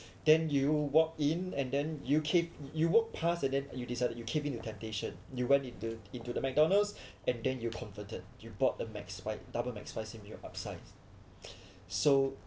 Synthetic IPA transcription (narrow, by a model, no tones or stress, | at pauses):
d̥ɛ̃njuwɔk̚ĩnɛ̃ndɛ̃njukʰevjuwɔk̚pʰastɛ̃ndɛ̃njudisaɪdət̚jukʰevĩntutʰɛ̃mteʃə̃njuwɛ̃ntĩntuĩntudəmɛk̚dɔ̃nəlsʔɛ̃ndɛ̃njukʰɔ̃ɱfətəd̚jubɔt̚dəmɛ̰kspaɪdabəlmɛ̰kspaɪsĩmjɔʔap̚saɪs | so